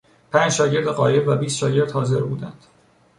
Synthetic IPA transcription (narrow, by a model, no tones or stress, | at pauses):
pʰænd͡ʒʃɒːɟe̞ɾd̪eɣɒːje̞bvæbiːst̪ʃɒːɟe̞ɾd̪̥hɒːze̞ɾbuːd̪ænd̪̥